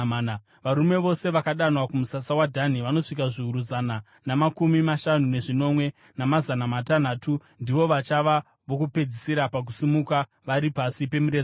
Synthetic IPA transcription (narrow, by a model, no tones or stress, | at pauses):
n | ʋaɾume̞ʋo̞se̞ʋakaɗanwakumusasawadʱaniʋano̞ʂikaʐiuɾuzana | namakumimaʃanune̞ʐino̞mwe̞ | namazanamatanaːtu | ndiʋo̞ʋat͡ʃaʋa | ʋo̞kupe̞d͡zisiɾapak̬usimuka | ʋaɾipasipe̞muɾez